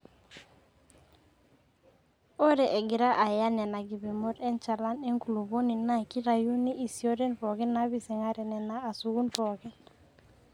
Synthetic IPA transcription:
o˦ɾɛ˨ʔe˨ɡɪ˨ɾa˦ʔa˨ja˦nɛ˨na˨ɡi˨bi˨mɔ˦ɾɛ˦nt͡ʃa˨la˦ne˦ŋku˨lu˨bo˦ni˨na˦ki˦ɾa˨ju˦ni˦ʔi˨si˨o˦ɾɛ˦npɔ˨kɛ˦na˦bi˨si˨ŋa˦ɾɛ˨nɛ˨naː˦˨su˨ɡu˦npɔ˨kɛ˦n

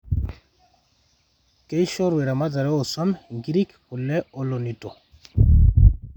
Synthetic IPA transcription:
ke˦i˦ʃɔ˦ɾwɛ˨ɾa˨ma˦ta˨ɾɛ˦ɔ˨sɔ˦mŋɡi˦ɾi˦kkʊ˨lːɛ˦ɔ˦lɔ˨ni˨tɔ˨

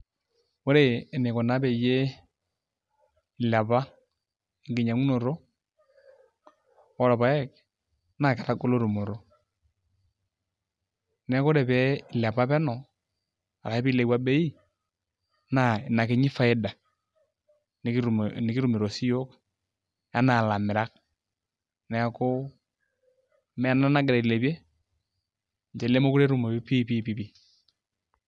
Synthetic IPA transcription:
o˦ɾe˦˨ne˨ko˨na˨˦βɛ˨je˦˨ | la˨βa˦ | e˨ŋɡe˨ɲa˨ŋu˦no˨ɾo˦ | wɔ˦ɾɔ˨βa˨˦ɛ˦k | na˦˨kɛ˨ɾa˦ɡo˦lo˦ɾu˨mo˨ɾo˨ | nɛ˨˦ko˦ɾe˨βɛ˦˨la˨βa˦βɛ˦nɔ˨ | a˨ɾa˨e˦βi˦le˨˦wa˦be˦i˦ | na˨na˨kɪ˨ɲɪ˦fa˦ɪ˦da˨ | n˨˦ɾnɪ˨ki˦ɾu˨mi˨ɾo˨si˦jo˦k | ja˦na˨la˨mɪ˨ɾa˦k̚ | nɛ˨˦ko˦ | mɛ˦a˨na˦na˦ɡɛ˨ɾɛ˨lɛ˨be˦ | ɲd͡ʒɛ˨lɛ˦mo˦ku˦ɾɛ˦ɾu˨mo˨˦pi˦pi˦pi˦pi˦

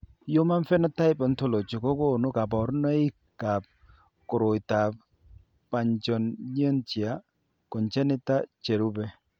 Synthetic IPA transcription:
jo˦ma˦ɱfɛ˦nɔ˦ta˦ɪ˦pɔ˨nto˦˨lo˨t͡ʃo˨kɔ˦ko˦˨no˦ka˨pɔ˨˦ɾna˦i˦kːa˨p̚ | ko˨ɾo˨jta˨p̚ | pːa˨ɲt͡ʃɔ˨nɲ˦ɔ˦nt͡ʃi˨a˨˦ | kɔ˨ɲt͡ʃɛ˦nɪ˦ta˦t͡ʃɛ˨ɾu˦bɛ˦

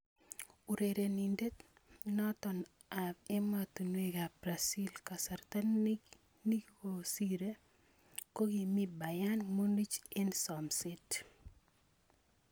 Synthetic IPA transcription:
u˨ɾe˨ɾe˨ni˨nde˦t̪nɔ˦t̪ɔ˨n | abe˦mat̪u˨nweka˨bɾasi˦lka˨saɾt̪a˦n | ni˦ko˨siɾe˦ | ko˦ɡimi˦ba˨janmo˦ni˦t͡ʃe˦nsɔmsɪt

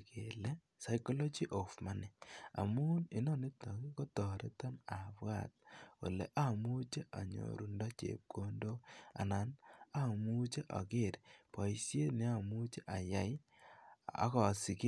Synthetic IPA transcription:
ke˨le˦ | sa˨jko˦lo˦d͡ʒi˦ʔo˨fma˦ni˨a̰˨mu˦li˨nɔ˦ni˦ta˨ki˦ko˦tɔ˨ɾe˦ta˦na˨βwa̰˦˨t̚wo̰˨lḛ˨ʔa˦mu˦t͡ʃe˦ʔa˨ɲo̰˨ɾu˨ndɔ˦t͡ʃḛ˨p̚ko˦ndo˦a̰˨na˨na˦mu˦t͡ʃe˦ʔa̰˨ke˦˨ɾpa˨isje˦ne˦a˨mu˦t͡ʃe˦ʔa˨ja˦j | a̰˦kɔ˨si˨ki˦

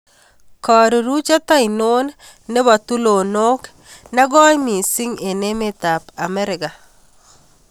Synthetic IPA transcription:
kɔ˨ɾi˨ɾu˦t͡ʃa˦t̪a˦i˨no˦nː | e˦ba˨t̪u˦lo˨no˦k | na˦ɡɔ˦jmi˨si˦ŋe˨ne˦me˦t̪a˨pa˨mɛ˦ɾɪ˨ka˨

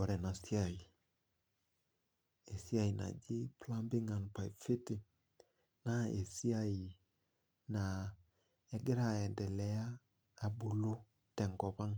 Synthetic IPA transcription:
ɔ˨ɾɛ˨na˨si˦a˨i˨ | e˨si˦a˦˨i˨na̰˨d͡ʒɪ˦pla˦mbɪ˦ŋa˨npa˨jfɪ˦tɪ˨ | na˦e˨si˦a˦˨i˨ | na˨ | ɛ˨ɡɪ˦ɾa˨ɛ˨ndɛ˨lɛ˨aː˦˨ | bu˨lo˦ | tɛ˨ŋɡɔ˨pa˦ŋ

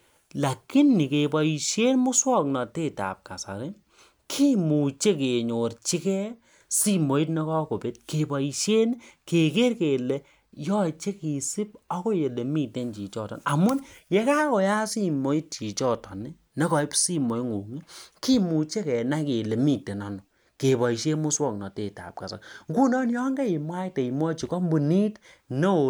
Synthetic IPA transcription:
la˨ki˦nːi˨ke˨pɔ˨i˨ʃe˦nmʊ˦swɔ˦˨k̚nɔ˨te˦˨ta̰˨p̚ka̰˨sa̰˨ɾɪ˦ | kʰi˦mu˨t͡ʃe˦ke˨ɲo˨ɾt͡ʃi˦kɛ˦ | si˦mo˨i˦tne˦kɔ˦ko˨pe˦t̚ke˨pɔ˨i˨ʃe˦nke˨ke˦rke˨le˨ | jɔ˦t͡ʃe˦ki˨si˦pɔ˦ko˦je˨le˨mi˦te˦nt͡ʃi˨t͡ʃɔ˦tɔ̰˨n˨a˨mʊ˦nje˦ka˦kɔ˨ja˦si˦mo˨i˦t̚t͡ʃi˨t͡ʃɔ˦˨tɔ˨ni˦ | ne˦kɔ˨i˦psi˦mo˨i˦ŋu˨ŋi˦ki˦mu˨t͡ʃe˦kɛ˨na˦ke˨le˨mi˦˨te˨nɔ˨˦nɔ˨ | ke˨bɔ˨i˨ʃe˦mu˦swɔ˦k̚nɔ˨te˨ta̰˨p̚ka̰˨sa̰˨kŋɡu˦nɔ˦n˦jɔ˦ŋɡɛ˦i˨mwa˦ite˨i˨mwɔ˦t͡ʃi˨kɔ˦mbu˨ni˦tne˦o˨

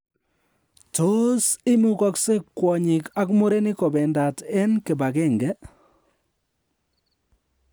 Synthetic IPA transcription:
to˦sɪ˦mu˦kɔ˦kse˦kːwɔ˨ɲɪ˨ka˦kmo˦ɾe˦nɪ˦kɔ˨bɛ˨nda˨tɛ˦nke˨ba˨kɛ˦˨ŋɡɛ˦

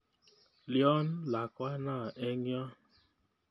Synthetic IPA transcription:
ljɔ˦n̩˦la˨kʷa˦na˦˨ʔe˦ŋ˦ɔ˦

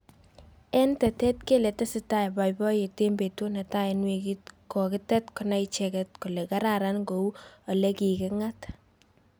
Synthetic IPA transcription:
ɛ˦ntɛ˨tɛ˦tke˦lɛ˨tɛ˦sɪta˦e˨ba˨jbɔ˦je˨te˦mbe˨tu˦na˨ta˦enweki˦t̚ko˨kɪ˦tɛ˦tkʊna˦jt͡ʃɛkɛt̚ku˨le˨ka˦ɾaɾa˦nɡo˨u˦o˨le˦ki˨kɪŋa˦t

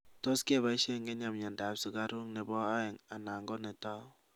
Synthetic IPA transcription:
to˦ske˦˨βa˦ʃe˦ŋɡe˦ɲa˨mɲa˨nda˨psɪ˨˦ka˦ɾu˦ŋne˨bɔ˦a˦ɪ˨ŋa˨na˨ŋɡo˦ne˨tɔ˦

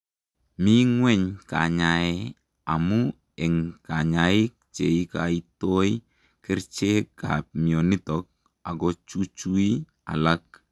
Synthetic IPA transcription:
mi˦ŋwɛ˦ɲka̰˨ɲaɛ | a˨mu | ɛ˨ŋka˨ɲai˦k̚t͡ʃe˨ikai˦to˦i | kɪ˦ɾt͡ʃe˦ka̰p̚mi˨ɔ˨ni˦tɔk̚ | a˨ɡɔt͡ʃu˦t͡ʃu˦i˦ | a̰˨lak̚

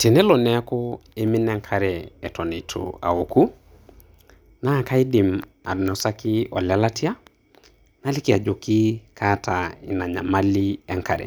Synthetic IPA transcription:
te˨nɛ˦lo˨nɛ˦kɔ˦e˦mi˦nɛ˦ŋkʰa˦ɾɛː˨tɔ˨ni˨tʰo̰a̰˨o˨ku˦ | na˦˨ka˦i˦di˨m | a̰˨dnɔ˨sa˦kɪ˦ɔ˨la˦la˦ti˦a˦ | na˦li˦ki˨a˨d͡ʒo˨ki˦katai˨na˨ɲa˨ma˦liɛ˦ŋka˨ɾɛ̰˨

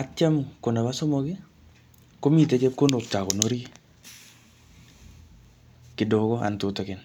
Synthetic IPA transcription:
a˨t͡ʃa˦mko˨na˨ba˦sɔ˦mɔ˨kɪ˦ | ko˦mi˨te˨˦t͡ʃe˦p̚ko˦no˨k̚ta˨ko˨no˦ɾi˦ | kɪ˨do˨kɔ˦a̰˨ntʊ˨tɔ˨kɪ˨n

